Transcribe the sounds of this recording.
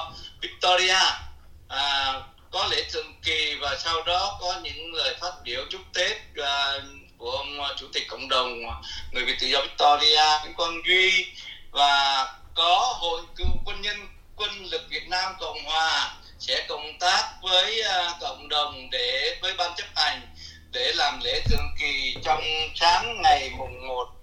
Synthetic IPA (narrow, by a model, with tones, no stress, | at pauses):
vi˦˥k̚t̪ɔ˧zi˧aː˧ʔəː˨˩ | kɔ˨˦le˧˩t̪ɨ̰˧˨ŋki˨˩vaː˨˩sa˧wɗɔ˨˦kɔ˨˦ɲɨ̰˧˥ŋləː˨jfaː˦˥t̚ɓi˧˩˨əwt͡ɕʊ˦˥k͡p̚t̪e˦˥p̚əː˨˩ku˧˩əʔə˧wŋ͡mt͡ɕu˧˩t̪i˨˩k̟̚kə̰˧˨wŋ͡mɗə˨˩wŋ͡mŋɨ˨˩əjvḭ˧˨t̪ɨ̰˧˨zɔ˧vi˦˥k̚t̪ɔ˧zi˧aː˧ka˨˦jkwa˧nzwi˧vaː˨˩kɔ˨˦ɦo̰˧˨jkɨ˧˩˥kwə˧nɲə˧n | kwə˧nlɨ˨˩k̚vi˨˩ət̚naː˧mkə̰˧˨wŋ͡mhwaː˨˩ | sɛ̰˧˥kə̰˧˨wŋ͡mt̪aː˦˥k̚vəː˨˦jkə̰˧˨wŋ͡mɗə˨˩wŋ͡mɗe˧˩vəː˨˦jɓaː˧nt͡ɕə˦˥k̚ʔa˨˩jŋ̟ | ɗe˧˩laː˨˩mlḛ˧˥t̪ʰɨ̰˨˧˩əŋki˨˩t͡ɕɔ˧wŋ͡msaː˨˦ŋŋa˨˩jmʊ˨˩ŋ͡mmo˨˩t̚